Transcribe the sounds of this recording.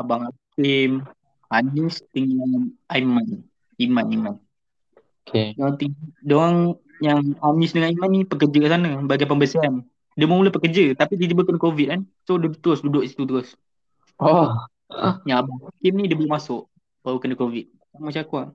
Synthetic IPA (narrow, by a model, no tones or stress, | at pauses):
abaŋhakim | hanist̪əŋanʔajman | imaniman | o | kʰedoat̪əŋdoaŋ | jaŋhanisdəŋanimanːipəkəd͡ʒəkasanabaɡap̬əmbəsian | dəməmuləpəkəd͡ʒət̪apid̪it̪ibəkənəkovit̪̚ansodut̪uɾʊsdudʊʔisi̥t̪ut̪uɾʊs | ɔ | jaŋabaŋakɪmnĩdiəbəlumasʊʔ | b̥awkənəkovit̪̚ | samat͡ʃakwaʔ